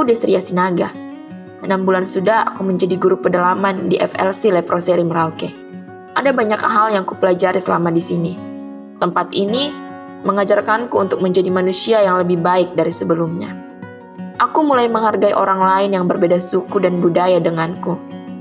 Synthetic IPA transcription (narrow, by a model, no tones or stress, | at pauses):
akudisəɾiasinaɡa | ənambulansudaha̰kuməɲd͡ʒadiɡuɾupədalamandiʔɛ̰fɛ̰lsilapɾosɛɾiməɾalkɛ | ʔadabaɲaka̰ɦaljaŋkupəlad͡ʒaɾisəlamadisini | t̪əmpat̪ini | məŋad͡ʒarkankuːnt̪ʊk̚məɲd͡ʒadimanusiajaŋləbɪhbaɪk̚daɾisəbəlumɲa̰ | ʔakumulajməŋɦarɡaiʔoɾaŋlaɪnjaŋbərbedasukudanbudajadəŋanku